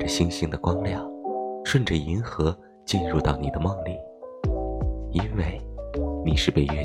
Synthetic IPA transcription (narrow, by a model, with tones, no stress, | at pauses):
ə˩ɕi˥ŋɕi˥ŋd̪ə˨kwɑ˥ŋljɑ˥˩ŋʂwə˥˩nʈ͡ʂə˩i˧˥nxɤ˧˥ | t͡ɕi˥˧nɻu˥˧t̪ɑ˥˩ʊni˨˩d̪ə˦mɑ˥˧ŋli˥˩ | i˥nwe˥˩ɪni˨˩ʂɻ̩˥˧pe˥˧ɪɥɛ˥˧˩